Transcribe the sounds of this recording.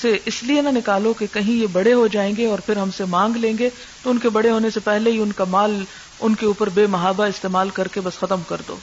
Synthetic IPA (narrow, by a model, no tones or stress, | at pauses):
seʔɪslienɐnɪkaːlokekɐɦĩjebɐɽeɦod͡ʒaːẽːŋɡeɔːɾpʰɪɾɦɐmsemãːŋɡlẽːŋɡe | t̪oʊnkebɐɽeɦoːnesepɛɦleɦiʊnkamaːl | ʊnkeuːpəɾbeːmɐɦaːbaɪst̪eːmaːlkɐɾkebɐsxɐt̪əmkɐɾd̪o̰ː